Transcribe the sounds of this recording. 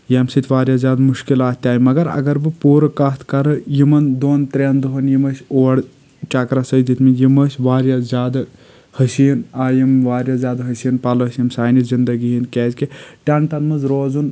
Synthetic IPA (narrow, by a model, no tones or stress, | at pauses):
jɐmsɨt̪ʲʰʋaːɾjazʲjaːd̪muʃkilaːt̪t̪ːʲaːjimɐɡɐɾɐ̰ɡɐɾbɨpuːɾɨkɐt̪ʰkɐɾɨjimɐnd̪oːnt̪ɾʲeːnd̪uɦɐnjimɐsʲoːɽ | t͡ʃakɾasəd̪it̪ʰʲmijimɐsʲʋaːɾjazʲjaːd̪ɨ | hɐsinaːjimʋaːɾjazʲjaːd̪ɦɐsinpɐlɐsjɐmsaːjnizind̪ɐɡiɦinkʲeːzʲkiʈʲɐnt̪ɐnmɐzɾoːzun